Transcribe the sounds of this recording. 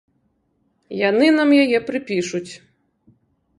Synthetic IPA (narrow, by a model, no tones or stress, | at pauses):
janɨnamjajɛpɾɨpʲiʂut͡sʲ